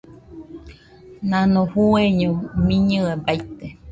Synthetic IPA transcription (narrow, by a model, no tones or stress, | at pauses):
nãnõhueɲõmĩɲɨebajt̪e